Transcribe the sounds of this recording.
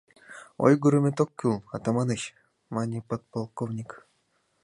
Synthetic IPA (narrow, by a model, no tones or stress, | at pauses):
o̰jɡuɾɨmʲet̪okʲːylˠat̪amɑnɨɕ | manʲipot̪̚polˠkovnʲik